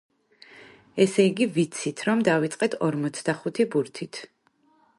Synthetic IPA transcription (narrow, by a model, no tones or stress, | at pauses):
ɛsɛiɡivit̪sʰit̪ʰɾɔmd̪avit̪sʼqʼɛt̪ʰɔɾmɔt̪sʰd̪aχut̪ʰibuɾt̪ʰit̪ʰ